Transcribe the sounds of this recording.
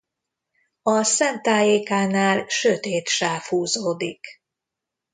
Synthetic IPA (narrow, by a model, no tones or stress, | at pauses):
ɒsɛnt̪aːjeːkaːnaːlʃøt̪eːt̪ʃaːfhuːzoːd̪ik